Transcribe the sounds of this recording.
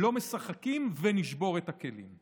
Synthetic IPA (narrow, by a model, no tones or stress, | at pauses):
lo̞me̞saχakimveniʃbo̞ʁethake̞lḭm